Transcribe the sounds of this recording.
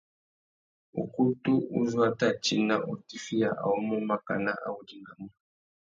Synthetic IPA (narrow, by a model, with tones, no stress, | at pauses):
ṵ˨ku˦tu˦u˦zwa˦ta˦˨t͡ʃi˦na˦ʔɔ˨ti˦fi˦a˨ʔa̰˨ɔ˦mɔ˦ma˦ka˨na˦ʔa̰˦u˦di˦ŋɡa˨mɔ˦